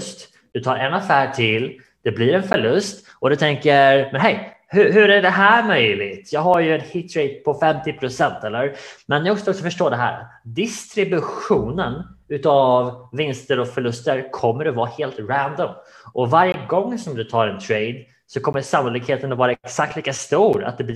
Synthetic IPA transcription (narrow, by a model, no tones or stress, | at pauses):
st̪ | d̪̥ɵt̪ʰɑːɾɛnafæːʈʰɪl | d̪̥ɛbliɾɛnfœɭɵst̪ | ɔd̪ɵt̪ʰɛŋkəɾmɛnɦɛj | hɵɦɵɾæɖɛɦæːɾmœjlɪt̪jɑːɡɦaɾjɵɛt̪hɪt̪ʰɾɛɪd̪̚pʰɔfɛmt̪ɪpʰɾʊsɛnt̪ɛlːəɾmɛnːɪɔksɔksɔfœʂʈoːd̪ɛɦæ̰ːɾa̰t̪d̪ɪst̪ɾɪbɵɧuːnənʉ̟t̪ɑvvɪnst̪əɾɔfœɭɵst̪əɾkʰɔmːəɖɛvɑːheːlt̪ɾænd̪ɔm | ʔɔvaɾjəɡɔŋːsɔmd̪ɵt̪ʰɑːɾɛnt̪ʰɾeɪd̪ | sɔkʰɔmːəsamʊlɪkheːt̪ənatvɑːɾaɛksak̚t̪liːkast̪uːɾa̰t̪̚d̪ɛb̪